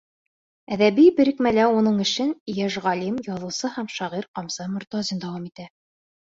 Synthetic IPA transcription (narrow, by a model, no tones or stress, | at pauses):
æðæβibɘ̆ɾɘ̆kmælæunɤɴɘ̆ʃɘnjæʒʁɑlimjɒðɤ̆wsɤhæmʃɑʁiɾqɑmsɑmŏɾt̪ɑzind̪ɑwɑmit̪æ